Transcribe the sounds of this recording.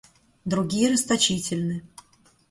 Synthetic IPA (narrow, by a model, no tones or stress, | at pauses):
d̪ɾʊɡʲijəɾɨst̪ɐt͡ɕitʲɪlʲnɨ